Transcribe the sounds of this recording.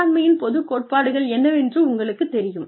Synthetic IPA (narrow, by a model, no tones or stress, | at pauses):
ɾmɐjɪnpɔðɯkːoːʈ̚paːɽɯɣɐɭɛnːɐʋɛndrɯʊŋɡɐɭɯkːɯt̪ːɛɾɪjɯm